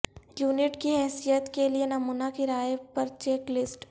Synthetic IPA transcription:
juːnɪʈkiɦɛːsijət̪kelienɐmuːnakiɾaːjpɐɾt͡ʃeːklɪsʈ

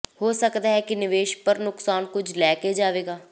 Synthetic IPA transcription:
hoːsəkd̪aːɦɛːkinɪʋeːʃpəɾnʊksaːnkʊd͡ʒʱlɛːked͡ʒaːʋeːɡaː

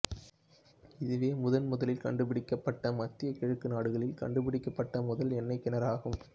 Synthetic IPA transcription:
ɪðɯʋeːmʊðɐnmʊðɐlɪlkɐɳɖɯpɪɽɪkːɐpːɐʈːɐmɐt̪ːɪjɐkɪɻɯkːɯnaːɽɯɣɐɭɪlkɐ̰ɳɖɯpɪɽɪkːɐpːɐʈːɐmʊðɐlɛnːɐɪkːɪnɐɾaːɣɯm

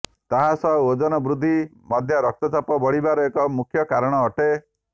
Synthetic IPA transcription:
t̪aɦasɔɦod͡ʒɔnɔbɾud̪ʱːi | mɔd̪ʱjɔɾɔk̚t̪ɔt͡ʃapɔbɔɽibaɾɔekɔmukʰjɔkaɾɔɽ̃ɔːʈe

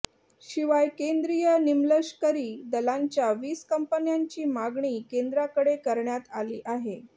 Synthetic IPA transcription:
ɕiʋajkend̪ɾijənimləɕkəɾiːd̪əlaɲt͡ɕjaʋiːskəmpənjaɲt͡ɕiːmaɡɳiːkend̪ɾakəɽekəɾɳjat̪aliːʔaɦe

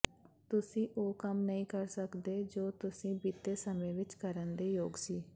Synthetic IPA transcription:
t̪ʊsĩːʔoːkəmnəɦĩːkəɾsəkd̪eːd͡ʒoːt̪ʊsĩːbiːt̪eːsəmẽːʋɪt͡ʃkəɾənd̪eːjoːɡsiː

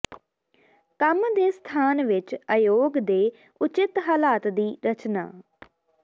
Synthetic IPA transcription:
kəmd̪eːst̪ʰaːnʋɪt͡ʃəjoːɡd̪eː | ʊt͡ʃɪt̪ɦaːlaːt̪d̪iːɾət͡ʃna̰ː

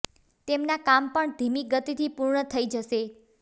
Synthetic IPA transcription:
t̪emnakampəɳd̪ʱimiɡət̪it̪ʰipuɾɳət̪ʰəid͡ʒəʃe

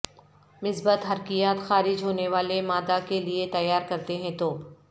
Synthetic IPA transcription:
mɪsbət̪ɦɐɾkijaːt̪xaːɾɪd͡ʒɦoːneʋaːlemaːd̪akeliet̪ɐjːaːɾkɐɾt̪eɦɛ̃t̪oː

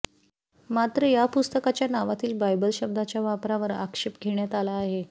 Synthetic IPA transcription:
mat̪ɾəjapust̪əkat͡ɕjanaʋat̪iːlbajbəlɕəb̚d̪ʱat͡ɕjaʋapɾaʋəɾa̰kʂepɡʱeɳjat̪alaːɦe

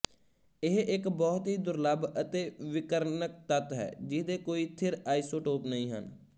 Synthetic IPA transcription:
ɪɦɪkbɔːt̪ɦiːd̪ʊɾləbət̪eːʋɪkəɾnək̚t̪ət̪ɦɛ̰ːd͡ʒɪd̪eːkoːiːt̪ʰɪɾaːiːsoːʈoːpnəĩːɦə̰n

